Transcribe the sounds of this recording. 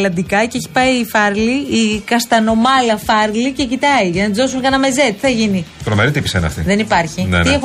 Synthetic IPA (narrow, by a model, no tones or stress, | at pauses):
lɐnd̪ikɐceeçi̥pɐiːfɐɾliikɐst̪ɐno̞mɐlɐfɐɾlice̞cit̪ɐiʝɐnɐt̪izðo̞s̬unkɐnɐme̞zet̪i̥θɐʝinit̪ɾomeɾit̪ipisenɐ̰ft̪ḭðe̞nipɐɾçiniex